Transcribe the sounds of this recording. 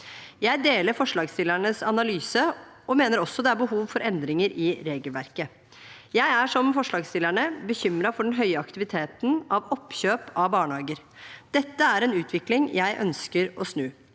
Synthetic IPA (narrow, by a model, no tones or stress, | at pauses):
jæɪd̪eːləɾfɔʂɭɑːɡst̪ɪlːæɳəsɑnɑlyːsəʔɔmeːnəɾɔsːɔd̪ɛæɾbəɦuːʋfɔɾɛnd̪ɾɪŋəɾɪɾeːɡəlʋæɾkə | jæɪæʂɔmfɔʂɭɑːɡst̪ɪlːæɳəbəçʏmɾɑfɔɖɛnɦœʏəɑkt̪ɪʋɪt̪ʰeːt̪n̩ɑʋɔpːçøːpɑbɑːɳhɑːɡəɾ | d̪̥ɛt̪ːəæɾɛnʉːt̪ʰʋɪklɪŋjʔæɪʔœ̰nskəɾɔsnʉː